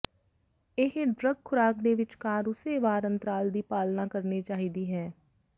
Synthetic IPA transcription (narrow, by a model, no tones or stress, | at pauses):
ɪɦɖɾəɡkʰʊɾaːkd̪eːʋɪt͡ʃkaːɾʊseːʋaːɾənt̪əɾaːld̪iːpaːlnãːkəɾniːt͡ʃaːɦiːd̪iːɦɛː